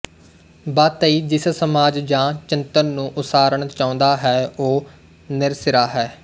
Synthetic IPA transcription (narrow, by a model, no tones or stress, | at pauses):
baːt̪əiːd͡ʒɪssəmaːd͡ʒd͡ʒãːt͡ʃɪnt̪ənːũːʔʊsaːɾəɳt͡ʃãːʊ̃nd̪aːɦɛːoː | nɪɾsɪɾaːɦɛː